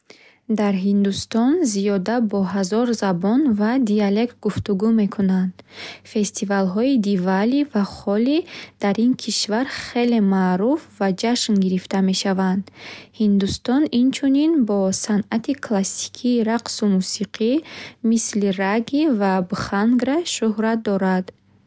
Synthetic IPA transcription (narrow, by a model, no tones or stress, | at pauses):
d̪aɾɦind̪ust̪ɔnziɔd̪abɔɦazɔɾzabɔnvad̪iale̞kt̪̚ɡuft̪uɡume̞kʰunand̪fe̞st̪ʰivalɦɔid̪ivalivaχɔlid̪̥aɾinkʰiʃvaɾχe̞le̞maːɾufvad͡ʒaʃnɡiɾift̪ame̞ʃavand̪hind̪ust̪ɔnint͡ʃʰuninbɔsanat̪ʰikʰlasi̥kʰiːɾaqsumusiqʰimisliraɡivabχaŋɡɾaʃuhɾat̪̚d̪ɔɾad̪